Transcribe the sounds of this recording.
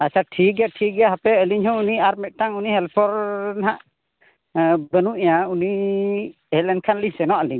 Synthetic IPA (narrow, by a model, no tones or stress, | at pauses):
asaʈʰiɡɛʈʰiɡɛɦapɛəliɲhɔ̃uniaɾmɛʔ̪̚ˀʈaŋunihɛlpʰɔɾnaɦaʔ | bənuʔɲauni | ɛlɛn̚kʰanliɲsɛnɔʔəliɲ